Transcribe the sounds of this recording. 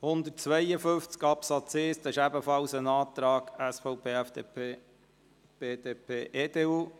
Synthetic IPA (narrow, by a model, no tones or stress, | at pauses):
hʊnd̪ət̚t͡sʋɛɪjəfɵft͡skɑpsɑt͡seːst̪ɑɪʃæbəfɑlsənɑːt̪ɾɑːɡæsfɔʊpʰeːæfd̪epʰeː | b̥eːd̥̪eːpʰeːʔeːd̥̪eːuː